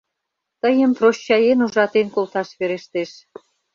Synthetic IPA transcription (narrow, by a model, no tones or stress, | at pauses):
t̪əjəmproɕːɑjenuʒɑt̪enkolt̪ɑʃβeɾeʃt̪eʃ